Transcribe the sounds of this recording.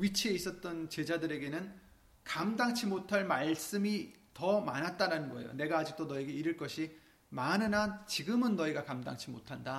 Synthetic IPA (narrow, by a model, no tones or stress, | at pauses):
ɥit͡ɕʰie̞is͈ʌt̚t͈ʌnt͡ɕe̞d͡ʑadɯɾe̞ɡe̞nɯn | kamdaŋt͡ɕʰimotʰaɭmaɭs͈ɯmi | tʌmanɦat̚t͈aɾanɯnɡʌḛjo̰ne̞ɡaːd͡ʑik̚t͈onʌe̞ɡe̞iɾɯɭk͈ʌɕʰi | manɯnat͡ɕiɡɯmɯnːʌiɡakamda̰ŋt͡ɕʰimo̰tʰanda